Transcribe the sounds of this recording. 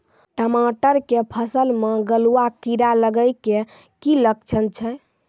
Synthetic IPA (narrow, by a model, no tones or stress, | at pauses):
ʈəmaʈəɾkepʰəsəlmeɡəluakiɾaləɡəjke | kiləkt͡ʃʰənt͡ʃʰɛ